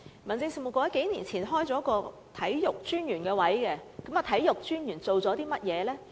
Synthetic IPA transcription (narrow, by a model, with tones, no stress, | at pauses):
mɐ˨˩nt͡sɪ˧ŋsi˨mʊ˨˩kʷːɔː˧jɐ˨˥ke˨˥jniː˨˩nt͡sʰiː˨˩nɦɔː˥jt͡sɔː˨˥kɔː˧ | t̪ʰɐ˨˥jjʊ˨k̚t͡ʃyː˥njyː˨˩nkɛː˧wɐ˨˥jkɛ˧kɐ˨˥mɐ˨t̪ʰɐ˨˥jjʊ˨k̚t͡ʃyː˥njyː˨˩nt͡so˨wt͡sɔː˨˥t̪iː˥mɐ˥t̚jɛː˨˧lɛː˥